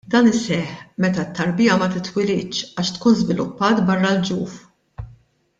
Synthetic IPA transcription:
d̪ɐːnɪsɛħmɛt̪ɐt̪ːɐɾbɪːjɐmɐt̪ɪt̪wɪlɪt͡ʃːɐːʃt̪kuːnzvɪlʊ̰pːɐːt̪bɐrːɐld͡ʒuːf

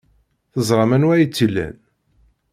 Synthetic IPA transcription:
θəzˤɾˤɑmænwæjit͡sːilːæ̰n

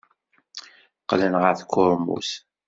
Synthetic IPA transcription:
qlənʁəɾθkʰːʊɾmṵs

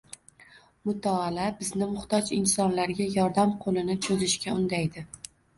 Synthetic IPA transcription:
mʊt̪ʰaːlabɪznɪmʊχt̪ɒd͡ʒɪnsɒnlaɾɡʲajɒɾd̪amqʰolɪnɪt͡ʃʰɵzɪʃkʲaʊnd̪ajd̪ɪ

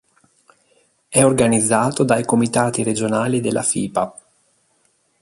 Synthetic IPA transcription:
ɛorɡanid̪zːaːt̪od̪ajkomit̪aːt̪iɾed͡ʒonaːlid̪elːʔa̰fiːpa

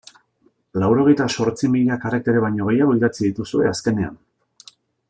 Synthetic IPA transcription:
lawɾo̞ɣ̞e̞jt̪aso̞ɾt͡simiʎakarek̚t̪eɾeβajɲo̞ɣe̞jaɣ̞o̞iðat͡siðit̪usue̞aske̞ne̞a̰n

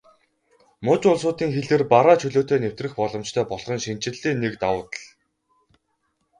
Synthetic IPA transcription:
mʊt͡ɕʊɮs̬ʊːt̪iːŋxeɮɘ̆rpaɾaːt͡ɕʰɵɮoːt̪ʰeːnew̥t̪rɘ̆xpɔɮɞ̆mt͡ɕt̪ʰœːpɔɮχɞ̆nʃin̥t͡ɕɪ̆ɮːeːnekt̪awʊːt̪ə̆ɮ

